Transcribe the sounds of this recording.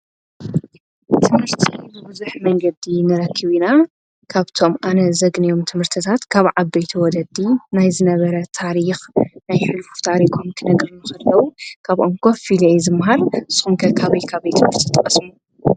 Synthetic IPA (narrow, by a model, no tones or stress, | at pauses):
t̪ʰɨmhɨɾt̪ʰiɨbɨzuħmɐŋɡɐd̪inɨɾɐkʰːiβina | kʰaβt̪ʰo̞mʔanɐzɐɡnijo̞mt̪ʰɨmhɨɾt̪ʰit̪ʰat̪kʰaβʕabːɐjt̪ʰiwɔd̪ɐd̪inajzɨnɐβɐɾɐt̪ʰaɾixnajʃɨlfu̥t̪ʰaɾikʰomk̪ʰɨnɐɡɾɨnukɐlːɐwukʰaβʔoŋkʰofilejzɨmːɦaɾʔɨsːxumkʰɐkʰaβɐjkʰaβɐjt̪ʰɨmɨɾt̪ʰi̥t̪ʼɐkʼɐsmu